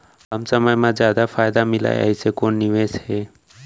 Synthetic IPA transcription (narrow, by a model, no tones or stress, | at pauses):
ɦəmsəməjmãzd͡ʒjaːd̪afʰaːjd̪amɪla̰jə̰ɦisekoːnːɪʋeːsheː